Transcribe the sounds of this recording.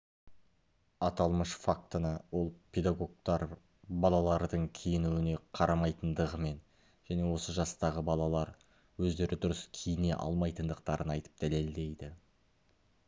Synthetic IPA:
ɑt̪ɑlˠməʃfak̚t̪ənəwo̞lˠpʲʰe̞d̪aɡo̞ɡ̚t̪ɑɾ | bɑlˠɑlˠɑɾd̪əɴkʲʰejɪnuwɪne̞qʰɑɾʔɑmɑjt̪ənd̪əʁəme̞n | ʒ̥æne̞wo̞səʒɑst̪ɑʁəbɑlˠɑlˠɑɾ | wɵzd̪e̞ɾɪd̪ʊɾəskʲʰejɪne̞̰ʔɑ̰lˠmɑjt̪ənd̪əq̚t̪ɑɾənɑjt̪ə̥p̚d̪̥æle̞ld̪e̞jd̪ɪ

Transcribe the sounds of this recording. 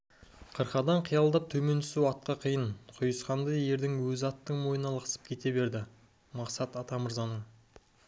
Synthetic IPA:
qʰəɾqɑd̪ɑɴqʰəjɑlˠd̪ɑp̚t̪ʰɵme̞nt̪ʰʏ̥suwɑt̪̚qɑqʰijəɴqʰʊjəsqɑnd̪ɑje̞ɾd̪ɪŋwɵzɪɑt̪ːəɴmo̞jənɑlˠɑqsə̥p̚kʲʰe̞t̪e̞be̞ɾd̪ɪ | mɑqsɑt̪ɑt̪ɑməɾzɑnəɴ

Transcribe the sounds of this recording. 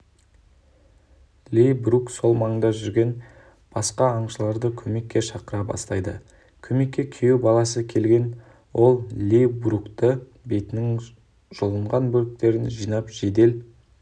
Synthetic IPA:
lʲijbrukso̞lˠmɑŋəd̪ɑʒʏɾɡʲe̞n | b̥ɑsqɑːɴʃəlˠɑɾd̪əkʲʰɵme̞kʲːe̞ʃɑqəɾɑbɑ̰st̪ɑjd̪ə | kʲʰɵme̞kʲːe̞kʲʰejubɑlˠɑsəkʲʰe̞lɡʲe̞n | wʔo̞lˠlʲejbrukt̪ə | be̞t̪ɪnɪŋ | ʒ̥olˠəɴʁɑnbɵlk̚t̪e̞ɾɪnʒijnɑpʒ̥e̞d̪e̞l

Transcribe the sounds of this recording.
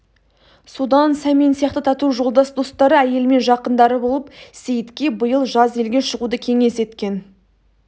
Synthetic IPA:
sud̪ɑnsæminsijɑqt̪ət̪ʰɑt̪uʒo̞lˠd̪ɑsd̪o̞st̪ɑɾəæje̞lme̞nʒɑqənd̪ɑɾəbo̞lˠəpsejɪt̪kʲe̞bəjəlˠʒɑze̞lɡʲe̞ʃəʁud̪əkʲʰe̞ŋe̞se̞t̪kʲe̞n

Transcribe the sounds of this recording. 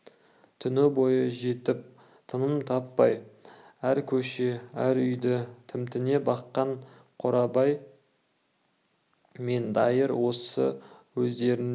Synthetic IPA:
t̪ʰʏnɪbo̞jəʒe̞t̪ɪp̚ | t̪ʰənəmt̪ʰɑpːɑj | æɾkʲʰɵʃe̞æɾʏjd̪ɪt̪ʰɪmt̪ɪne̞bɑqːɑɴ | qʰoɾɑbɑj | me̞nd̪ɑjəɾwo̞sə̰wɵzd̪e̞ɾɪn

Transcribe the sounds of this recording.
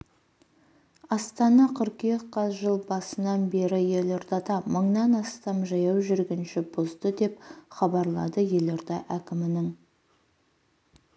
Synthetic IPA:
ɑst̪ɑnɑqʰʏɾkjeqqɑzʒəlˠbɑsənɑnbe̞ɾɪje̞loɾd̪ɑt̪ɑməɴnɑnɑst̪ɑmʒɑjɑwʒʏɾɡʲɪnʃɪbozd̪əd̪e̞pχɑbɑɾlˠɑ̰d̪əje̞loɾd̪ɑʔækʲɪmɪnɪŋ

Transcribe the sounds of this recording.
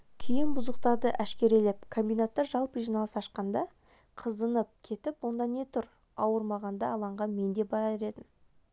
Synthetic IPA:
kʲʰijɪnbʊzəqt̪ɑɾd̪əʔæʃkʲe̞ɾelep̚kʰo̞mbijnat̪ːɑɾʒɑlˠpəʒijnɑlˠəsɑʃqɑnd̪ɑ | qʰəzənəp̚kʲʰe̞t̪ɪpwo̞nd̪ɑne̞t̪ʰʊɾ | ɑwəɾmɑʁɑnd̪ɑːlˠɑɴʁɑnme̞nd̪e̞bɑɾeɾe̞d̪ɪm

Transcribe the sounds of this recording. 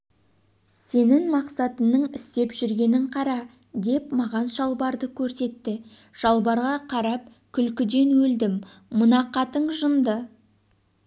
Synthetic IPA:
se̞nɪŋmɑqsɑt̪ənːəɴɪst̪e̞pʒʏɾɡʲe̞nɪɴqʰɑɾɑ | d̪e̞pmɑʁɑnʃɑlˠbɑɾd̪əkʲʰɵɾse̞t̪ːɪ | ʒ̥ɑlˠbɑɾʁɑqʰɑɾɑp̚ | kʲʰʏlkʲɪd̪e̞nwɵld̪ɪmː | ʊnɑqɑt̪əɴʒənd̪ə

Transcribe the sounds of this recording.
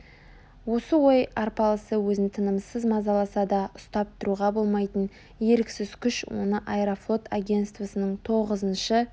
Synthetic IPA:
wo̞səwo̞jɑɾpɑlˠəsəwɵzɪt̪ʰənəmsəzmɑzɑlˠɑsɑd̪ɑʊst̪ɑp̚t̪ʊɾuʁɑbo̞lˠmɑjt̪ən | je̞ɾɪksɪzkʲʰʏʃwo̞̰nəʔajɾoflˠo̞t̪ʰaɡʲe̞nt̪st̪vasənəɴt̪ʰo̞ʁəzənʃə

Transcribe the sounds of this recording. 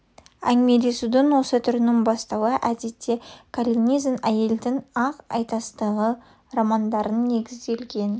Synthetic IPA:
æŋme̞d̪e̞sud̪ɪnwo̞sət̪ʰʏɾɪnɪŋbɑst̪ɑwəʔæd̪e̞t̪ʰːe̞kʰalʲiniznæje̞ld̪ɪŋɑqɑ̰jt̪ɑst̪əʁə | romɑnd̪ɑɾənːe̞ɡʲɪzd̪e̞lɡʲe̞n

